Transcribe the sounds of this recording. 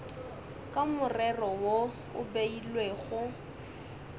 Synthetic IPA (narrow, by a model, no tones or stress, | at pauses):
kʼamʊrɛrɔwo | ʊbeilweɣʊ